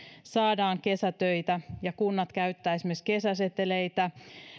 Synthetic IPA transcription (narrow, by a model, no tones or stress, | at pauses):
sɑːdɑːŋkesæt̪øit̪æjɑkunːɑt̪kæyt̪ːæːesimeskesæset̪ːeleit̪æ